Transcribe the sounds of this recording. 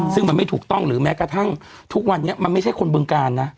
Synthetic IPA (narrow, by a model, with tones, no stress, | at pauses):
sɯ˥˩ŋma˧nma˥˩t̪ʰuː˨˩k̚t̪ɔ˥˩ŋɾɯː˩˦mɛː˦˥kɾa˧t̪ʰa˥˩ŋ | t̪ʰu˦˥k̚wa˧nːi˦˥ɐma˧nma˥˩t͡ɕʰa˥˩jkʰo˧nbɯː˧ŋkaː˧nːa˦˥